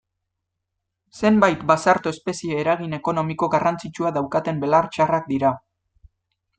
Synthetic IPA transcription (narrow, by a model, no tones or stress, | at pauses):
se̞mbajt̪basaɾt̪oespe̞sieːɾaɣ̞ine̞ko̞no̞miko̞ɣarant͡sit͡ʃuaðawkat̪e̞mbe̞laɾt͡ʃarak̚d̪iɾa